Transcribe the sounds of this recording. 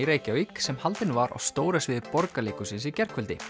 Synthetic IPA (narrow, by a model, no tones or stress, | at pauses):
iɾeːjcɪawiksɛmhalt̪ɪnvaɾʔa̰wst̪oːwɾasvɪðpɔɾkaliːkʏsɪns̬icɛr̥kʰvʏlt̪ɪ